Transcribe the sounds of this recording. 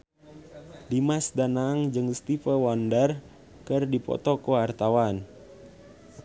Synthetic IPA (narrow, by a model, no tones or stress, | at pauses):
dimasdanaŋd͡ʒɨŋst̪ifəwandər | kɨrdipɔ̰t̪ɔkoart̪awan